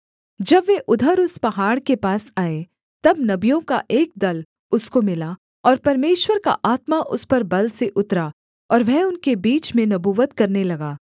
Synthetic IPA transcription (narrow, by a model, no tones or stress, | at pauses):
d͡ʒɐbʋeʔʊd̪ʱəɾʊspɐɦaːɽkepaːsaːe | t̪ɐbnɐbijõkaʔeːk̚d̪ɐl | ʊskomɪla | ɔːɾpɐɾmeːʃwəɾka̰ʔaːt̪maʔʊspɐɾbɐlseʔʊt̪ɾa | ɔːɾʋɛɦʊnkebiːt͡ʃmẽnɐbuːʋət̪kɐɾnelɐɡaː